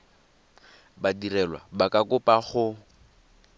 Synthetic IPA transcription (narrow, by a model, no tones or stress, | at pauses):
badirɛlwa̰bakʼakʊpʼaχʊ